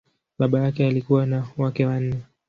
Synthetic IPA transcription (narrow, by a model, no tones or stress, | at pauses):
ɓaɓajakɛalikuwanawakɛwan̩nɛ